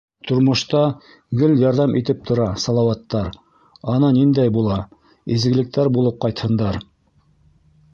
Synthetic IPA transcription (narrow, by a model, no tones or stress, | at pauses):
t̪ʰŏɾmŏʃt̪ɑ | ɡɵljɑɾðɑmʔit̪ɘp̚t̪ʰŏɾɑsɑlˠɑwɑt̪ːɑɾ | ɑnɑnind̪æjbulˠɑ | izɡɘ̆lɘ̆k̚t̪æɾbulˠɤp̚qɑjt̪hɤ̆nd̪ɑɾ